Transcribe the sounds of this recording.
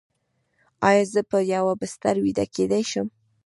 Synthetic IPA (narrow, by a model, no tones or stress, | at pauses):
ɑjɑzəpəjawabɪst̪aɾwid̪a̰ked̪ajʃəm